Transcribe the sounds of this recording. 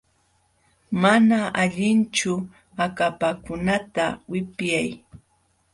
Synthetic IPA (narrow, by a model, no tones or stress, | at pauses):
manaʔaʎɪnt͡ʃʊ | akapakʊnat̪awɪpjaj